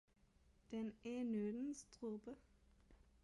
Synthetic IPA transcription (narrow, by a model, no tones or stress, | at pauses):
d̪̥ɛnænøːd̪n̩st̪ʰʁubə